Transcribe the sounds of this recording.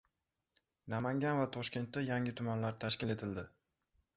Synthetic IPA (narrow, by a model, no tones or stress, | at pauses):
namaŋɡʲanvat̪ʰɒʃkʲe̞nt̪ːajaŋɪt̪ʰʊmanlaɾt̪ʰaʃkʲɪle̞t̪ʰɪld̪ɪ